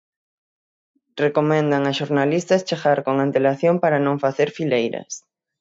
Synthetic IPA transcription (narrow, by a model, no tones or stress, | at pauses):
rekomẽnd̪aŋaʃoɾnalist̪ɐst͡ʃeɣaɾkoŋãnt̪elaθjoŋpaɾanõŋfaθeɾfilejɾɐ̰s